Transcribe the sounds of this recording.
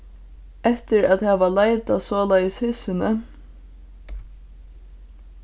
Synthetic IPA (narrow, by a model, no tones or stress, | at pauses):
ɛht̪ɪɾæðhæːʋalajt̪asɔːlajəshʏːsɪnə